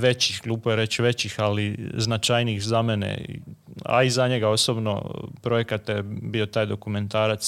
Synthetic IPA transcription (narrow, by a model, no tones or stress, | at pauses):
ʋe̞t͡ɕixɡlˠuːpojeɾe̞t͡ɕʋe̞t͡ɕixaliznat͡ʃajniːxzamenḛ | a̰izaɲe̞ɡao̞sobno̰pɾo̞je̞kat̪ebio̞t̪aːjd̪o̞kume̞nt̪aːɾat̪s